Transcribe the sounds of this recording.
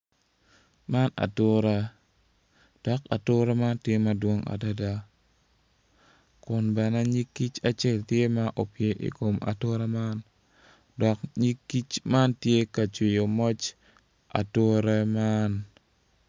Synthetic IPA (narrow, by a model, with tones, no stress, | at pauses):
ma˦na̰˨tʊ˦ɾɛ˦ | d̥ɔ˨ka̰˨tʊ˦ɾa˦ma˦ntje˦ma˨dwo˦ŋa̰˨da˦da˦ | kʊ˨nbɛ˨na˦ɲi˦kːi˦t͡ʃa˨t͡ʃe˦˨ltje˦ma˦ʔo˨pje˨ʔḭ˨ko˨ma̰˨to˦ɾa˦ma˦n | dɔ˨kɲi˦kːi˦t͡ʃma˦ntje˦ka˨t͡ʃi˨jo˨mɔ˦t͡ʃ | a̰˨to˦ɾɛ˦ma˦n